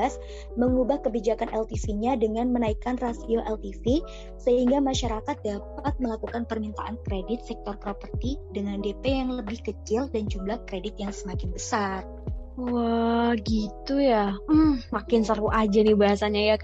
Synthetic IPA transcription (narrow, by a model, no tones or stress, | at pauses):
as | məŋubahkəbid͡ʒakanʔɛlt̪isiɲadəŋanmənaikanrasioʔɛlt̪ifi | səɦiŋɡamaʃaɾakat̪̚dap̚at̪̚məlakukanpərmint̪aʔankɾedɪt̪̚sɛk̚t̪ɔrpɾopərt̪idəŋandepɛjaŋləbɪhkət͡ʃɪldand͡ʒumlahkɾedɪt̪̚jaŋsəmakɪnbəsar | wahɡit̪uja | makɪnsəɾuad͡ʒadibaɦasanɲaja